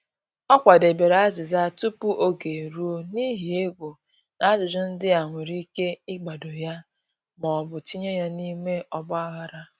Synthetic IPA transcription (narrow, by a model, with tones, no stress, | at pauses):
ɔ˦kʷa˨de˨be˨ɾa˦zɪ˨za˦˨tu˦pu˦ʔo˦ɡe˨ɾu˦o˦ni˦ɦi˨e˦ɡʷo˨ | na˦d͡ʒʊ˨d͡ʒʊ˦n̩˦dɪ˦a˨ŋʷe˨ɾi˦ke˦ɪ˦ɡ͡ba˨do˨ja˦ | mɔ˨bʊ˨ti˦ɲe˦ja˦ni˦me˦ʔɔ˦bʊ˦a˦ɣa˦ɾa˦